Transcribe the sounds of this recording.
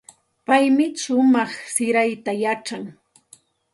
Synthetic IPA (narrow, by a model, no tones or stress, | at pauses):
pajmɪʃʊmɑχsɪɾajt̪ajaʈ͡ʂaŋ